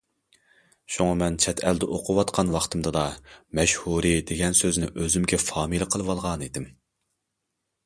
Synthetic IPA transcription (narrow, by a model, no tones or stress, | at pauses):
ʃuŋɑmɛnt͡ʃʰɛt̪ʰɛld̪ɛʔoqʰʊwɑt̪qʰɑnwɑχt̪ʰɨmd̪ɨd̪ɑmɛʃhuɾɨd̪eɡʲɛnsøznɪʔøzymɡʲɛfɑːmɨlˠɨqʰəlˠɨwɑlˠʁɑnid̪ɪm